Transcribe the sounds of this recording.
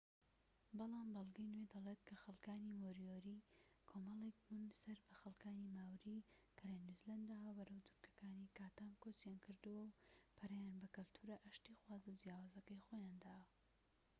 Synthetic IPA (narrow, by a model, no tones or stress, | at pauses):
bɑlˠaːmbɐlˠɡɐjnwed̪ɐlet̪kʰɐxɐlˠkaːnimoɾijoɾi | kʰomɐlˠek̚bunsɐɾbɐxɐlˠkaːnimaːwɾikʰɐlanuzland̪awbɐɾɐwt̪ʰʊ̥ɾkʰɐ̥kaːnikaːt̪aːmkot͡sjaːnkʰɨɾd̪ɨwɐwpʰɐrɐjaːnbɐkɨlt̪ʰuɾɐʔɐʃt̪ixwaːzɐd͡ʒjaːwaːzɐkɐjxojaːnd̪aːwɐ